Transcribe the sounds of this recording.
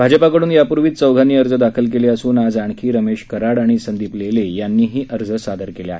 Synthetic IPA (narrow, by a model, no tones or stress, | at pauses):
bʱad͡ʑəpakəɽuːnjapuɾʋiːt̪̚t͡səwɡʱaniːəɾd͡zəd̪akʰəlk̬eleəsuːnad͡zaɳ̃kʰiːɾəmeɕkəɾaɽaɽ̃isənd̪iːplelejanːiːɦiːʔəɾd͡zəsad̪ʱəɾkelja̰ɦe